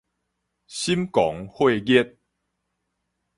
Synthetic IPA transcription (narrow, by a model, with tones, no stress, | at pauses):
ɕi˦mkɔ˨˦ŋhwe˥˧˨ɡɛ˦t̚